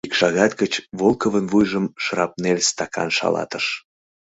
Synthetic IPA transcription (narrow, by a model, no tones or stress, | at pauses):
ikʃɑɣɑt̪kət͡ɕβolˠkəvənvujʒəmʃrɑp̚nelst̪ɑkɑ̰nʃɑ̰lɑ̰t̪əʃ